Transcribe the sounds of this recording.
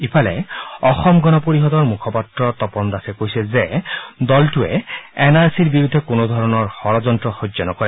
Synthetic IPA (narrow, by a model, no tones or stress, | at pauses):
ipʰalɛ̰ɔxɔmɡɔnɔpoɹiɦɔd̪ɔɹmukʰɔpatɹɔt̪ɔpɔnd̪asɛkojsɛzed̪ɔltuɛ̰enaɹsiɹbiɹud̪ʱːɛkonod̪ʱɔɹɔnɔɹxɔɹɔzɔntɹɔxozɔnɔkɔɹɛ